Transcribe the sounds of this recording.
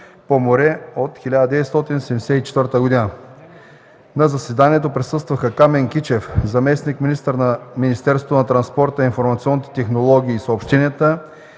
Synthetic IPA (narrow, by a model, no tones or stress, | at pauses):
pomoɾɛot̪xilʲad̪əd̪ɛvɛt̪st̪ɔt̪inosɛmd̪ɛsɛt̪it͡ʃɛt̪vəɾt̪əɡod̪inə | nɐzɐsɛd̪aniɛt̪opɾɛsɤst̪vɐxəkamɛŋkit͡ʃɛfzɐmɛsnikminist̪əɾnɐminist̪ɛɾsot̪onɐt̪ɾɐnspɔɾt̪əinfoɾmɐt̪siɔnːit̪ɛ̥t̪ɛxnolˠɔɡ̟ʲiːsopʃt̪inət̪ə